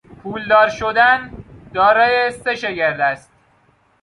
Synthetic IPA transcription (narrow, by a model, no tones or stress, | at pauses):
pʰuːld̪ɒːɾʃod̪ænd̪̥ɒːɾɒːjese̞ʃeɟeɾd̪æst̪̚